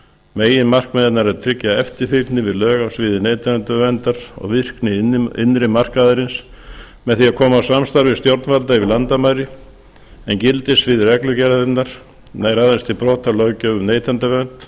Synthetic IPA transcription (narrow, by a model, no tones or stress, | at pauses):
meːjɪnmar̥kmɛðɪt̪naɾɛɾt̪ʰɾɪcːaɛft̪ɪɾ̥fɪt̪nɪvɪðlœːɣasvɪːðɪneːjt̪ʰant̪avɛnt̪aɾ̥ɔ̰ɣvɪr̥knɪɪ̰nːɾɪmar̥kaðɪɾɪns | mɛðθiakʰɔːmawsamst̪aɾvɪst̪jowɾt̪nvalt̪avɪlant̪amajɾɪ | ɛncɪlt̪ɪsvɪðrɛklʏcɛɾðɪt̪naɾ̥ | najɾaðɛnst̪ʰɪlpɾɔːt̪alœwcœɣʏmneːjt̪ʰant̪avɛnt̪